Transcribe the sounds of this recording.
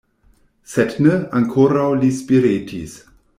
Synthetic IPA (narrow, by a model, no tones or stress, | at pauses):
sɛtnəãŋkʰoɾawlispiɾeːtʰḭs